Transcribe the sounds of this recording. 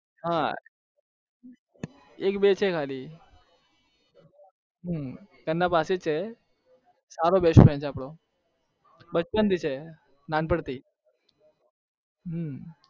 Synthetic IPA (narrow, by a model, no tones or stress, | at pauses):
ɦã | ekbet͡ʃʰekʰali | ɦkənːãpaset͡ʃʰe | saɾobeʃopʰɛ̃nt͡ʃʰaːpɽo | bət͡ʃpənt̪it͡ʃʰe | nanpəɽt̪i | ɦ